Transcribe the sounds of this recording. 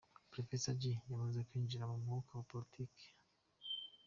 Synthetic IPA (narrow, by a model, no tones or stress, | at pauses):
pɾɔfɛsad͡ʒijamazakiɲd͡ʒinamamɔkawapɔlitʰiki̥